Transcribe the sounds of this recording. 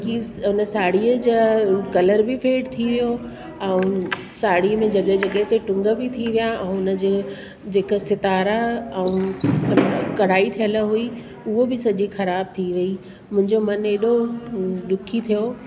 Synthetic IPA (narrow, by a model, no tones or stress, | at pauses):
kiɦʊnəsaːɽ̤iəd͡ʑəkɐləɾbɪfʰeːɽt̪ʰiʋijo | ɛ̃ũ | saːɽimẽd͡ʑɐɠəɦd͡ʑɐɠəɦɪt̪eʈʊ̃ŋɡəbɪt̪ʰiʋijaɛ̃ːʊnə̆d͡ʑe | d͡ʑeːkəsɪt̪aːɾaɛũ | kɐɽ̤aːit̪ʰijələɦui | ʊɦobɪsɐʄixɐɾaːb̚t̪ʰiʋɐi | mʊ̃ɦɪ̃ɲd͡ʑomɐneːɗod̪ʊkʰit̪ʰijo